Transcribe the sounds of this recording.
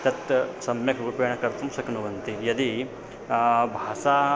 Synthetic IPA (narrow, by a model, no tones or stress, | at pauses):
t̪ɐt̪sɐmjɐkɾupeːɳɐkɐɾt̪umsɐknuʋɐnt̪ijɐd̪i | bʱaːsa